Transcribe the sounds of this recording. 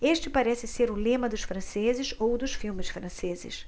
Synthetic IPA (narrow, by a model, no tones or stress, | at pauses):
eʃt͡ʃɪpaɾɛsɪseɾʊlẽmɐd̪ʊʃfɾɐ̃sezɪzowd̪ʊʃfiwmɪsfɾɐ̃sezɪ̰s